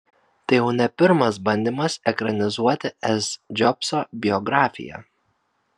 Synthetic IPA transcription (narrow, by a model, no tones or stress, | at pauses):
t̪ɐɪjɛʊnʲɛpʲɪɾmɐsbɐnʲd̪ʲɪmɐsɛkɾɐnʲɪzuɔt̪ʲɪɛsd͡ʒʲɔpsobʲɪɔɡɾɑːfʲɪ̰jɛ̰